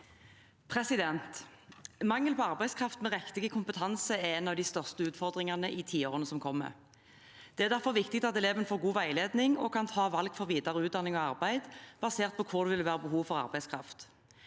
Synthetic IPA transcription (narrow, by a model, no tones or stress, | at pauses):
pʰʁɛsɪd̪ɛnt̪ | mɑŋːəlpʰɔɑʁbæɪskʰʁɑft̪mɛʁɛkt̪ɪɡəkʰʊmpət̪ʰɑnsəɛɛnɑʋd̪ɪst̪œʁst̪əʉːt̪fɔʁd̪ʁɪŋɑʁnəʔɪːt̪ʰiːoːʁənəsɔmkʰɔmːə̰ | d̪̥ɛæʁd̪æʁfɔʁʋɪkt̪ɪk̚t̪ɑt̪ɛleːʋənəfoːʁɡuːʋæɪleːd̪nɪŋɔkʰɑnt̪ʰɑːʋɑlɡfɔʁʋiːd̪ɑʁəʉːd̪ɑnɪŋɔɑʁbæɪd̪b̥ɑseːʁt̪̚pʰɔkʰʊʁd̪ʉʋɪlʋæːʁəbəɦuːʋfɔʁɑ̰ʁbæɪskʰʁɑft̪